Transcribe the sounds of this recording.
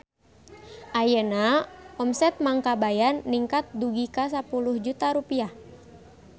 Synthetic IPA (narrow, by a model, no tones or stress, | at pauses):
ʔajənaɔmsɛt̪̚maŋkabajanːiŋkat̪̚duɡikas̬apuluhd͡ʒut̪aɾupiah